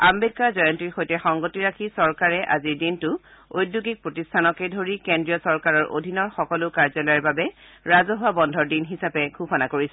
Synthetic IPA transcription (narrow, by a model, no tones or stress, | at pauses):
ambed̚kazɔjɔntiɹxojtɛxɔŋɡotiɹakʰisɔɹkaɹɛʔa̰ziɹdintʊojduɡik̚pɹotistʰanɔkɛdʱoɹikendɹijɔsɔɹkaɹɔɹʔo̰dʱinɔɹxɔkɔlʊkaɹzɔlɔjɛɹbabɛ | ɹazɔɦʊwabɔndʱɔɹdinɦisapɛɡʱupʰɔnakoɹisɛ